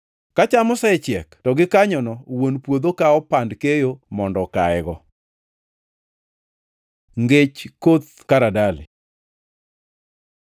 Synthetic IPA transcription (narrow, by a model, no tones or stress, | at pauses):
kat͡ʃamɔsɛɛt͡ʃjɛktɔɡɪkaɲɔnɔwonpwod̪okaɔpandkejomɔndɔkaɛɡɔ | ŋɡet͡ʃkot̪̚ | kaɾadalɪ̰